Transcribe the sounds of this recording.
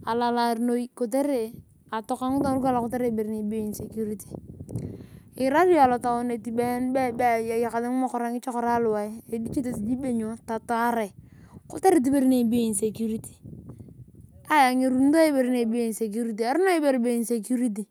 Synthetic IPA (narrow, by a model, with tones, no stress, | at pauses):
a˨la˨la˨ɾno˦i˦ko˨t̬e˦ɾe˨ | a˨to˨ka˦ŋu˦a˦ɾu˦ka˦la˨ko˦te˦ɾe˨be˨ɾi˦ne˨bo˦i˨nse˨ku˦ɾi˦ti̥˨ | i˨ɾa˦ɾi˦a˨lo˨ta˨wo˦ne˨ti˨be˦nbe˦be˦˨ja˨ja˨ka˨de˦ŋ˦ma˦˨kɔ˨ɾa˦ŋi˦t͡ʃo˦kɾa˦lʊ˨wa˨i˦e˨di˦t͡ʃe˦te˨si˨d͡ʒi˦be˦˨ɲo˨˦ta˨to˦a˦ɾe˨ko˦te˦ɾe˦t̬i˦be˦ɾi˦ne˨bi˦o˦i˨nse˨ku˦ɾi˦ti̥˨ | a˦ja˨ŋe˨ɾu˦n˦do˦e˦be˨ɾi˦ne˨bi˦i˨n˨se˨k̬u˦ɾi˦t̬i˨a˨˦ɾi˦no˦i˦be˨ɾi˨be˦i˨nse˨ku˦ɾi˦t̬i˨